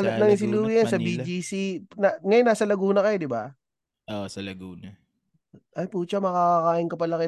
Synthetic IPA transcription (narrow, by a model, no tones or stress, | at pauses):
nɐŋis̬ɪluːijɐnsɐbid͡ʒiːsinaŋɐjonːaːsɐlɐɡuːnɐkɐjod̪ɪba | ʔoʔsɐlɐɡuːnɐ | ʔɐjpuːt͡ʃɐmɐkakakaːʔɪŋkɐpɐlɐkɐj